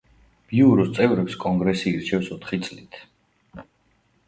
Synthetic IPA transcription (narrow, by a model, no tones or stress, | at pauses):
b̥iuɾɔst̪sʼɛvɾɛpskʼɔŋɡɾɛsiːɾt͡ʃʰɛfsɔt̪ʰχit̪sʼlit̪ʰ